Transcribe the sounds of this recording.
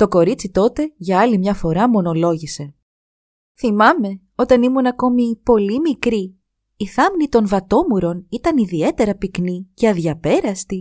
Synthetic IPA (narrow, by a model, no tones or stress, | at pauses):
t̪o̞ko̞ɾit͡sit̪o̞t̪e̞ʝɐɐlimɲɐfo̞ɾɐmo̞no̞lo̞ʝise̞ | θimɐme̞ | o̞t̪ɐnimunɐko̞mipo̞limikɾiː | θɐmnit̪o̞nvɐt̪o̞muɾo̞nit̪ɐniðie̞t̪e̞ɾɐpikniceɐðʝɐpe̞ɾɐst̪i